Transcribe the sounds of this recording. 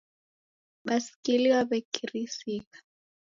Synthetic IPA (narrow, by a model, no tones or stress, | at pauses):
ɓasi̥kiliwaβɛkirisiːɣḁ